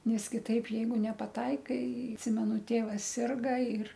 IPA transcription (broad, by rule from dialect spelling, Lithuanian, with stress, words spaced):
ˈnʲɛs kʲɪˈtɐɪp ˈjɛɪɡʊ nʲɛpɐˈtɐɪkɐɪ ɐtʲˈsʲɪmʲɛnʊ ˈtʲeːʋɐs ˈsʲɪrɡɐ ɪr